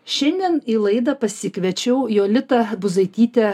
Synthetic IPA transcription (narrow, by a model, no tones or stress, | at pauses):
ʃʲɛnʲd̪ʲɛniːlˠɐɪd̪ɐpɐsʲɪkʲʋʲɛt͡ʃʲɛʊjoːlʲɪt̪ɐbʊzɐɪt̪ʲiːt̪ʲɛ